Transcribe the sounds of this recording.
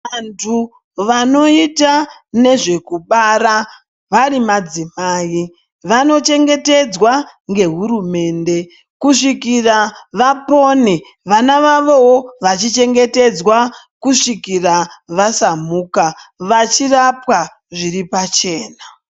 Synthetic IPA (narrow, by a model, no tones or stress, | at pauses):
antʰu | ʋano̞itane̞ʐe̞kuɓara | ʋarimad͡zimaːi | ʋano̞t͡ʃe̞ŋɡe̞te̞d͡zwaŋɡe̞ɦuɾume̞ːnde̞ | kuʂikiraʋapo̞ne | ʋanaʋaʋo̞woʋat͡ʃit͡ʃe̞ŋɡe̞te̞d͡zwa | kuʂikiraʋasamuːkaʋat͡ʃirapwa | ʐiripat͡ʃe̞ːna